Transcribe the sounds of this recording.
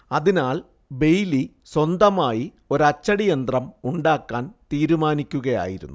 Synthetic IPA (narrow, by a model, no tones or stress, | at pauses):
ɐðinaːɭ | be̞jli | swond̪ɐmaːji | o̞ɾɐt͡ɕːɐɽijɐnd̪rɐmuɳɖaːkːaːnt̪iːɾumaːnikʲːuɣɐja̰ːjiɾṵnːu